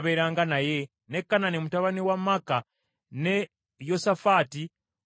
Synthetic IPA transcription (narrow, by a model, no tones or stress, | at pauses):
βeɾaːŋɡanaje | nekːananemutaβaniwamaka | ne | josafati